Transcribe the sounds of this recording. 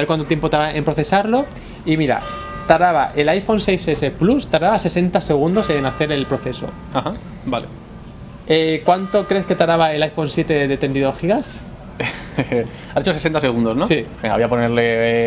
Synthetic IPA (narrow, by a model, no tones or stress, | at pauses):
eɾkwant̪ot̪jepot̪aɾaʔempɾoθe̞saɾlo̞ | imiɾa̰ | t̪aɾaβaʔelajfo̞nse̞jsese̞plust̪aɾaβase̞se̞nt̪ase̞ɣ̞und̪o̞senaθe̞ɾe̞lpɾo̞θe̞so̞̰ | aha | bale | ekwant̪o̞kɾeske̞t̪aɾaβae̞lajfo̞nsje̞t̪e̞ðet̪e̞nd̪iðoxiɣas | aset͡ʃosesent̪aseɣ̞und̪o̞znosi | eŋɡaβjaponeɾle̞